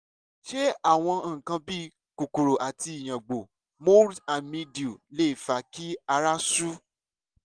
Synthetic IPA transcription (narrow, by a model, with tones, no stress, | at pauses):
ʃe˦a˦˨w̃ɔ̃˧˦˨kã˧bi˦ | ku˨ku˨ɾo˨ʔa˨ti˧i˨j̃ã˨ɡ͡bo˨ | mo˦dã˨nmĩ˧di˨u˨le˦i˦˨fa˧ki˦a˧ɾa˦su˦